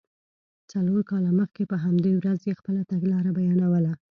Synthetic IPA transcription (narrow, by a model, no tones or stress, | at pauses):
t͡saloɾkɑlaməxkepəɦamd̪ewɾazjexpəlat̪aɡlɑɾabajɑnawəla